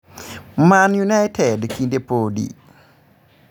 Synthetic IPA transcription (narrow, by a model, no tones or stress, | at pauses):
manjunajtʰɛdkindepodḭ